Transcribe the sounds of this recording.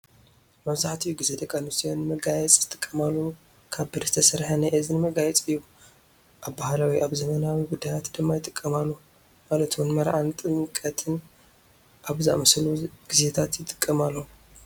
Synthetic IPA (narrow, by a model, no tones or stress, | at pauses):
mɐβzaħt̪ʰijɡɨzed̪ɐkʼanusijonːɨmɐɡajɛt͡sʼzɨt̪ʼɨkʼːɐmalːu | kʰaβbɨɾzɨt̪ʰɐsɐɾħanɐʔɨzinɨmɐɡajɛt͡sʼɨjːu | ʔabbahalawiʔaβzɐmɐnawiɡud̪ːajat̪d̪ɨmːajt̪ʼɨkʼːɐmalːu | malɐt̪wunmɐɾʔʕant̪ʼɨŋkʼɐt̪ʰɨn | ʔaβzɨʔa̰mɐsluɡ̥ize̞t̪ʰat̪jɪt̪ʼɨ̥kʼːɐmalːɐu